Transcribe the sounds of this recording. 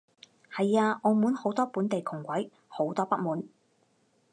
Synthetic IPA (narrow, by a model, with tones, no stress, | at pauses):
hɐ˨jaː˧ʔɔ˨˧muː˨˥nho˨˥wt̪ɔː˥puː˨˥nt̪e˨jkʰʊ˨˩ŋkʷɐ˨˥j | ho˨˥wt̪ɔː˥pɐ˥muː˨˥n